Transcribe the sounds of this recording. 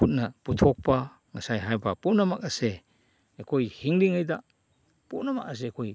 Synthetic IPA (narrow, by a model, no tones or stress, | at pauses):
put̚nɐputʰɔk̚pɐ | ŋɐsajɦajbɐpunɐmak̚ɐse | ekʰojhiŋliŋajda | punɐmak̚as̬eːkʰoj